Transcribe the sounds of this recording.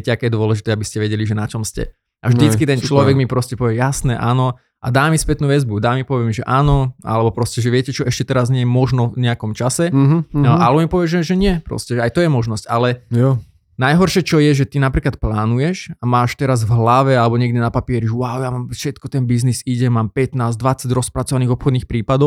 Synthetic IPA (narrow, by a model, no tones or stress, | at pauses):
ɛcɛakɛːjɛd̪ʊɔlɛʒit̪ɛːabiscɛʋɛɟɛliʒɛnat͡ʃɔmscɛ̰ | ʔavʒd̪it͡skit̪ɛnt͡ʃlɔʋɛɡmipɾɔscɛpɔʋɪɛjasnɛːʔaːnɔ | ʔa̰d̪aːmispɛt̪nuːʋɛd͡zbud̪aːmipɔʋɪɛmiʒɛʔaːnɔa̰lɛbɔpɾɔscɛʒɛʋɪɛcɛt͡ʃɔʔɛʃcɛt̪ɛɾazɲɪɛjɛmɔʒnɔɲɛakɔmt͡ʃasɛ | ʔalɛbɔmipɔʋɪɛʒɛʒɛɲɪɛpɾɔ̰scɛʒɛajt̪ɔjɛmɔʒnɔscalɛ | najɦɔrʃɛt͡ʃɔjɛʒɛt̪inapɾiːklat̪̚plaːnujɛʃamaːʃt̪ɛɾazvɦlaʋɛalɛbɔɲɛɡd̪ɛnapapiɛɾiʊaʊjamaːmfʃɛt̪kɔt̪ɛnbizniziɟɛmaːmpɛt̪naːzd̪ʋat͡saɟɾɔspɾat͡sɔʋaniːɣɔpxɔd̪niːxpɾiːpad̪ɔʊ